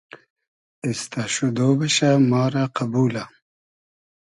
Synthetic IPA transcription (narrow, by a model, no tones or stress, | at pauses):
ist̪aɕud̪oːbɐɕamɑːɾaqabuːla